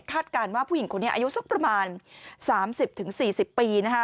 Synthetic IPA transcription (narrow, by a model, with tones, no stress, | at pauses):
kʰaː˥˩t̪̚kaː˧nwaː˥˩pʰu˥˩i˩˦ŋkʰo˧nːi˦˥ɐʔa˧u˦˥su˦˥k̚pɾa˧maː˧nsaː˩˦msi˨˩p̚t̪ʰɯ˩˦ŋsiː˨˩si˨˩pːiː˧na˦˥kʰ